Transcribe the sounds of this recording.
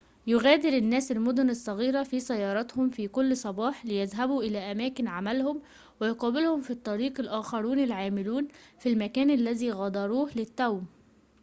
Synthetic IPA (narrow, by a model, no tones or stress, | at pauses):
jʊɣæːd̪ɪɾɪnːæːsɪlmʊd̪ʊnɑsˤːɑɣiːɾæfiːsæjːɑːɾˤɑt̪hʊmfiːkʊlːsˤɑbɑːħlɪjæðɦæbuːʔɪlæːʔæmæːkɪnʕamælhʊm | wɪjʊqɑːbɪlhʊmfit̪ˤːɑɾiːqɪlʔæːxɑɾˤuːnɪlʕaːmɪluːnfilmækæːnælːæðiːɣɑd̪ˤɑɾˤuːhlɪt̪ːæwm